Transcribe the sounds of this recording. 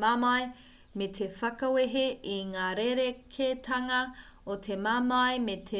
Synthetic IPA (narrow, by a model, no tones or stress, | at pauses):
mamɐj | metʰefɐkɐweɦeiŋaːɾeɾekʰetʰɐŋɐotʰemaːmɐemetʰe